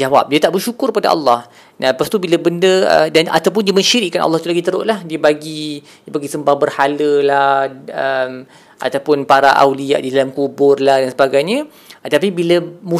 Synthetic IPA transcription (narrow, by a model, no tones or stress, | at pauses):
d͡ʒawa̰p̚diət̪aʔbərʃukʊrkəpada̰ʔɑ̰lːɑh | nãpast̪ubilabəndəə̰dana̰t̪awp̬ʊndiəmə̃nʃiɾɪʔkːanʔɑ̰lːɑhit̪ulaɡit̪əɾʊ̰ʔlahdiəbaɡidiəbaɡisəmbahbərhaləlahəm | ʔa̰t̪awpʊnpaɾa̰ʔa̰wlia̰ʔdidalamkubʊrlahdansəbaɡajɲə̃ | t̪ap̬ibilamu